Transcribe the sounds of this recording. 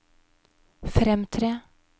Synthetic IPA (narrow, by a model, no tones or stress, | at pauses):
fɾɛmt̪ʰɾeː